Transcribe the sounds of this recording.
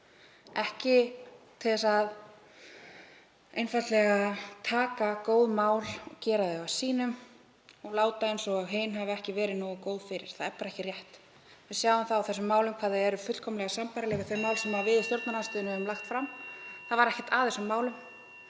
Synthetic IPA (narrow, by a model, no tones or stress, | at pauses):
ɛhcɪt̪ʰɪlɛsað | ejnfat̪lɛɣat̪ʰaːkakoːwðmaːwlɔcɛːɾaðɪasiːnʏm | ɔɣlaːwt̪aejnsɔɣaɣɦejnɦavɛhcɪvɛːɾɪðnɔːɣakoːwðfɪɾɪ̰ɾ̥θaðɛɾpaːɾaɛhcɪrjɛht̪ | vɪsjaːwɪmθawawθɛsːʏmːaːwlʏmkʰvaːðɪɛɾʏfʏt̪kʰɔmlɛɣasampaɾalɛːɣaθœjmaːwlsɛmavɪðɪst̪jowɾt̪naɾanst̪ʏːðnʏhɛvʏmlaxt̪fɾamθaðvaɾɛhcɛ̥t̪aːðɛsʏmːaːwlʏm